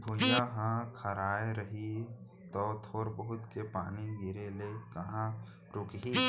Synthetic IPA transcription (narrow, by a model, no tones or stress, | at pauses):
bʱoːd͡ʒaɦãkʰɐɾaːeɾɐɦi | t̪ɔːt̪ʰoːɾbəɦʊt̪kepaːniɡɪɾelekɐɦã | ɾʊkɦi